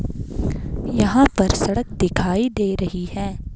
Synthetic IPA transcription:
jɐɦãpɐɾsɐɽək̚d̪ɪkʰaːid̪eːɾɐɦiɦɛː

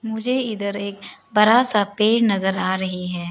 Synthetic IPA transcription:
mʊd͡ʒʱeɪd̪əɾeːkbɐɾasapeːɾnɐzəɾaːɾɐɦiɦɛː

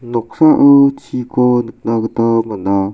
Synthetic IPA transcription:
nɔk̚saʔɯt͡ɕʰikɔnɯk̚naɡɯt̪amana

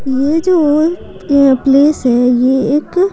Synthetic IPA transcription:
jeːd͡ʒoː | pleːsɦɛjeeːk

